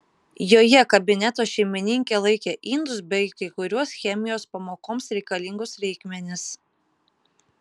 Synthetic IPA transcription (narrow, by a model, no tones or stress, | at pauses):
joːjɛkɐbʲɪnʲɛt̪oːʃʲɛɪmʲɪnʲɪŋʲkʲelˠɐɪkʲeʔɪnd̪ʊsbʲɛɪkɐɪkʊɾʲuɔsxʲɛmʲɪjoːspɐmoːkoːmsɾʲɛɪkɐlʲɪŋɡʊsɾʲɛɪkmʲɛnʲɪs